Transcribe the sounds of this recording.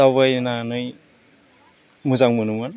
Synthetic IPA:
awβajnanɯj | muzaŋmunuman

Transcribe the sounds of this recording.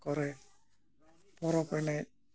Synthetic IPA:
kɔɾɛ | pɔɾɔpɛnɛ

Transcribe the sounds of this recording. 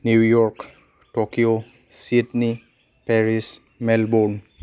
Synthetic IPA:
njuwjɔɹk | tokio | sitni | pɛɹis | mɛlbɔn

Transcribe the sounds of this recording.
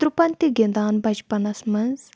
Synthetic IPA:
t̪ɾupɐnʲt̪iɡind̪aːnbɐd͡ʒpɐnɐsmɐnz

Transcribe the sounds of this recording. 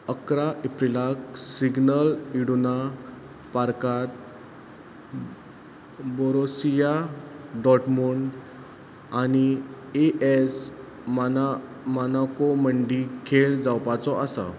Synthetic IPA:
əkɾaʔepɾilaksiɡnəliɽuna | paɾkat̪̚ | bɔɾosijaɖɔʈmuɳ | ani | eʔes | man | manakɔməɳɖikʰeɭd͡zawpat͡sɔʔasa̰

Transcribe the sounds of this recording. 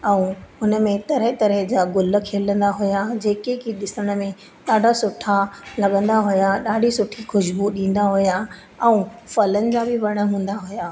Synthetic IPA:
ɛ̃ːʊnəmẽt̪ɐɾɦɪt̪ɐɾəɦd͡ʑaːɡʊlə̆kʰeːlə̃nd̪aɦʊjad͡ʑeːkekiɗɪsəɽ̃ə̆mẽ | ɗaːɖʱasʊʈʰalɐɠə̃nd̪aɦʊjaɗaːɖʱisʊʈʰixʊʃbuɗĩːn̆d̪aɦʊja | ɛ̃ːfɐlənɪ̆d͡ʑaːbɪʋɐɽ̃əɦũːn̆d̪aɦʊjaː

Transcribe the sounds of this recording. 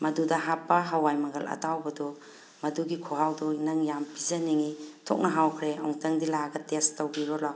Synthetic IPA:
mɐdudɐɦapːɐɦawajmɐɡɐlɐ̰tawbɐdu | mɐduɡikʰoɦawdunɐŋjampizɐniŋitʰo̰k̚nɐɦawkʰɾeo̰ŋtɐŋdilaɡɐtestɐwbiɾɔla

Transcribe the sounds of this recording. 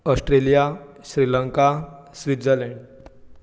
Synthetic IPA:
ɔsʈɾelijaɕɾiləŋkasʋit̪d͡zəlɛ̃ɳɖ

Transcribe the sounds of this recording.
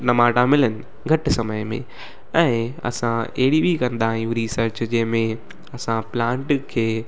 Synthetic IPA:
nɐmaːʈamɪlənɪ̆ | ɡʱɐʈ̆sɐməjmḛ̃ | ɛ̃ːɐ̰sãeɦɪɽibʱikɐ̃nd̪aːɦĩjũɾiːsəɾt͡ɕd͡ʑɐ̃ɦɪ̃mẽ | ɐsãplãːɳʈkʰeː

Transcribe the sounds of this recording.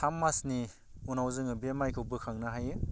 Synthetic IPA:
amːasni | unawzɯŋɯbemajkʰɯwbɯkʰaŋnaɦajɯ

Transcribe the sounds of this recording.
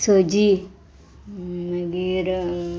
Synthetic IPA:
sod͡ʒi | məɡiɾ

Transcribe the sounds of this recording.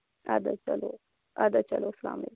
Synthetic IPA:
a̰d̪at͡ʃɐlo | ad̪at͡ʃɐlosɐla̰ːmlek

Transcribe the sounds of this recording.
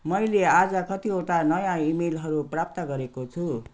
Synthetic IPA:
mʌjlead͡zʌkʌt̪ioʈanʌjãimelɦʌɾuprap̚t̪ʌɡʌɾekot͡sʰu

